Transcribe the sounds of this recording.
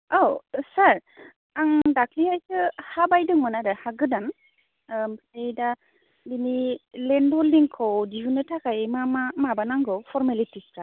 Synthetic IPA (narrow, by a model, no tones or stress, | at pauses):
owsaɾ | aŋdakʰliajkɯhabajdɯŋmɯnadahaɡɯdan | mejda | binilɛnbɔldiŋkʰɔwdiɦunɯtʰakajmamamabanaŋɡɯwpʰɔɾmalitispɾa